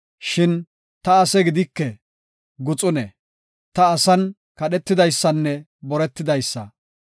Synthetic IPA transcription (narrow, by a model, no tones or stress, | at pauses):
ʃɪn | t̪ɐːsɛɡɪd̪ɪkːɛ | ɡʊt͡sʼʊnɛ | t̪ɐːsɐn | kɐɗɛt̪ːɪd̪ɐjsːɐnːɛ | bɔɾɛt̪ːɪd̪ɐjsːɐ̰